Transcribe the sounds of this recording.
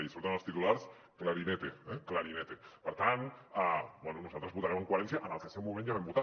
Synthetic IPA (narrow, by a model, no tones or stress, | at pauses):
iseβɾet̪õəlˠst̪it̪ulaɾs | klaɾinet̪eɛklaɾinet̪epəɾt̪anabwɛnunuzalt̪ɾzβut̪aɾeməŋkwaɾensjaʔanalˠt̪esewmumẽnjaβɛmbut̪a